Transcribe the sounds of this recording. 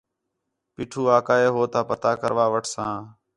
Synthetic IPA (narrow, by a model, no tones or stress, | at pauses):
piːʈʰuːaːkaːeːɦoːt̪aːpət̪aːkəɾʋaːʋəʈʰsãː